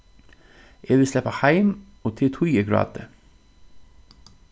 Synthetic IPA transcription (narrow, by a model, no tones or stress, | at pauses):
ʔeːʋɪslɛpɑhæɪm | oːt̪ʰɪt̪ʰʊjəɡɹɑ̰ːd̪ə